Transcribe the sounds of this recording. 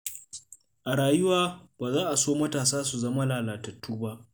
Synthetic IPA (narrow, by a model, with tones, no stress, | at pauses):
ʔa˨ɽaː˨jʊ˦waː˨baː˨zaː˦ʔa˨soː˦mɐ˦taː˨saː˦su˨zɐ˦ma˦laː˨laː˨tɐ˨tʰːuː˦ba˦ʔ